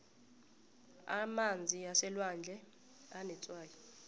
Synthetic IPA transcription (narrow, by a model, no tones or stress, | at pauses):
a̰mand͡zʱiasɛlwand͡ɮʱɛ | anɛt͡sʼwaːjɔ